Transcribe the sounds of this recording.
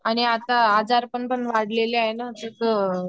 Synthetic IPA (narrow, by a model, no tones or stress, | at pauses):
aɽ̃iat̪aad͡zaɾpəɳpəɳʋaɽ̤leleajenat̪ət̪ə